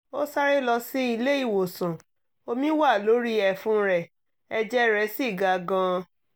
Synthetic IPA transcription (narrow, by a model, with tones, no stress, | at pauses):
o˦sa˦ɾe˦lɔ˧si˦i˧le˦i˦˨wo˨sũ˨ | o˧mĩ˦wa˦˨lo˨˦ɾi˦ɛ˧˨fũ˦ɾɛ˨ | ɛ˧d͡ʒɛ˦ɾɛ˨˦si˦˨ɡa˨˧ɡã˧